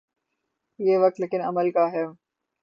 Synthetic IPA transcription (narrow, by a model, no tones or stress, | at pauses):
jeːʋɐk̚t̪leːkɪnɐməlkaɦɛː